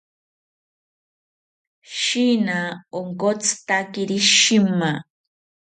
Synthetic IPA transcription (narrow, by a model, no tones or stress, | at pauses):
ʃinaoŋkot͡st̪akiɾiʃima